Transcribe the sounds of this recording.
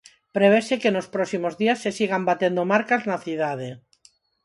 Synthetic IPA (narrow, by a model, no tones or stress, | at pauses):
pɾeβesekenospɾosimozðiasːesiɣambat̪end̪omaɾkaznaθið̞að̞e